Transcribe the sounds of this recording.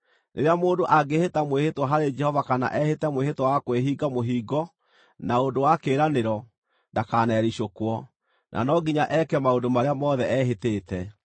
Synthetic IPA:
nʔeɾeamoːndoʔaɡehetamwehetwaɦaɾed͡ʒɛhɔvakana̰ʔɛhetɛmwehetwawakweɦiːɡamoɦiːɡɔ | naondowakeːɾaneɾɔ | ndakaːnɛːɾiɕokwɔ | nʔa̰nɔɡiɲaʔɛkɛmaodomaɾeamɔðɛʔɛɦeteːtɛ

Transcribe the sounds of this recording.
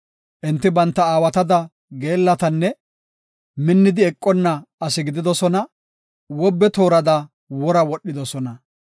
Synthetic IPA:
ʔɪnt̪ːɪbɐnt̪ːɐaːwɐt̪ɐd̪ɐ | ɡe̞ːlːɐt̪ɐnːɛ | mɪnːɪd̪ɪɛkʼːɔnːɐːsɪɡɪd̪ɪd̪ɔsɔnɐ | wɔbːɛt̪o̞ːɾɐd̪ɐ | wɔɾɐwɔɗːɪd̪ɔsɔnɐ

